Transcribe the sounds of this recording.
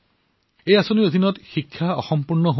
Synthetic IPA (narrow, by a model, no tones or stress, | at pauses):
ejasoniɹod̪ʱinɔtxikʰːaɔ̰xɔmpuɹnɔɦo